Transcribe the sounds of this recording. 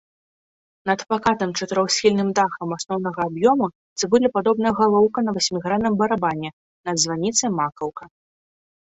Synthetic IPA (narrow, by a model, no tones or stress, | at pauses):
nɐt̪pakat̪ɐmt͡ʂɐt̪ɨɾɔwsʲxʲilʲnɨmd̪axɐmasnɔwn̪ɐɣɐːbjɔmu | zɨbɨlʲipad̪ɔbnɨjɐɣalˠɔwkɐnɐvasʲmʲiɣɾanɐmbɐɾabanʲɛ | nɐd̪zvanʲit̪sɐjmakɐwkɐ